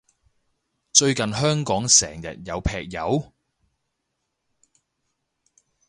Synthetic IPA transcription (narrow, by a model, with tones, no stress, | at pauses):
t͡ʃɵ˧ɥkɐ˨nɦœː˥ŋkɔː˨˥ŋsɛ̰ː˨˩ŋjɐ̰˨t̚jɐ˨˧wpʰɛː˧k̚jɐ˨˧w